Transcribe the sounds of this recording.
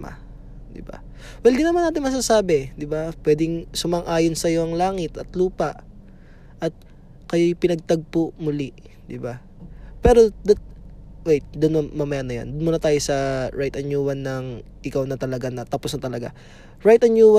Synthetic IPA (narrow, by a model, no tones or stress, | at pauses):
a̰ | d̪ɪ̰ba̰ | wɛld̪inɐmanaːt̪ɪnmɐs̬aːsaːbɛd̪ɪbapwɛːd̪ɪŋsʊmɐŋʔaːjonsɐjo̞ʔɐŋlaːŋɪt̪ɐt̪luːpɐʔ | ʔɐt̪̚ | kɐjojpɪnɐɡ̚t̪ɐɡ̚poʔmʊlɛ | d̪ɪba | pɛːɾo̞d̪ɐt̪̚ | wɛjt̪̚d̪onmɐmɐmɐjanɐja̰nd̪ʊnmuːnɐt̪aːjosɐɹajt̪ɐnjuːwɐnːɐŋ | ʔɪkawnɐt̪ɐlɐɡanɐt̪ɐposnɐt̪ɐlɐɡa̰ | ɹajt̪ɐnjuːwa